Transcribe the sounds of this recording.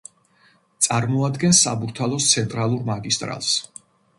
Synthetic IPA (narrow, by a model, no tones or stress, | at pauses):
t̪sʼaɾmɔad̪ɡɛnsːa̰buɾt̪ʰalˠɔst̪sʰɛnt̪ʼɾalˠuɾmaɡist̪ʼɾa̰lˠs